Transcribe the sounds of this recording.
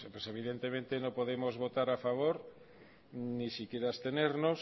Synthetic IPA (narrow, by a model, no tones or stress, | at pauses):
pweseβ̞iðent̪emẽnt̪enõpoðemozβot̪aɾafaβ̞oɾ | nisikeɾaest̪eneɾnos